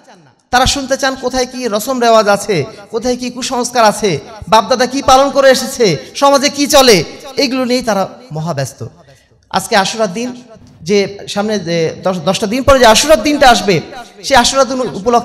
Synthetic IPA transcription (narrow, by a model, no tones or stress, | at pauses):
t̪aɾaʃunt̪et͡ɕankot̪ʰajkiɾɔsomɾeoad͡ʑat͡ɕʰekot̪ʰajkikuʃɔŋoskaɾat͡ɕʰebab̚d̪ad̪akipalonkoɾeeʃet͡ɕʰeʃɔmad͡ʑekit͡ɕɔleeɡuloniejt̪aɾamɔɦabɛst̪o̰ | a̰d͡ʑkeaʃuɾad̪̚d̪ːin | d͡ʑeʃamned̪ɔd̪ɔʃʈad̪inpɔɾed͡ʑeaʃuɾad̪̚ːinʈaaʃbeʃeaʃuɾad̪ːinupolokʰː